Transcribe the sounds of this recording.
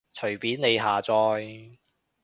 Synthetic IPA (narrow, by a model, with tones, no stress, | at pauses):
t͡ʃʰɵ˨˩ɥpiː˨˥nne˨˧jɦaː˨t͡sɔː˧j